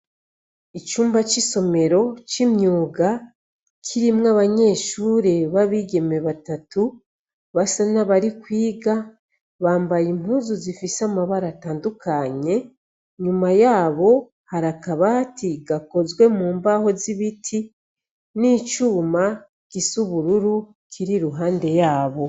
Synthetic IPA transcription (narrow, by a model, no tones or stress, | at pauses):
it͡ʃuːmbat͡ʃiso̞me̞ɾo̞t͡ʃimɲuːɡa | kʰiɾimŋaβaɲe̞ːʃuːɾeβaβiɡe̞me̞βatatu | βasanaβaɾikwiːɡa | βaːmbajim̥uːzuzifisamaβaɾataːndukʰaɲe̞ | ɲumajaːβo̞ | haɾakaβatʰiɡako̞zɡwe̞muːmbaho̞ziβitʰi | niːt͡ʃuːma | kisuβuɾuɾu | kʰiɾiɾuɦaːnde̞jaːβo̞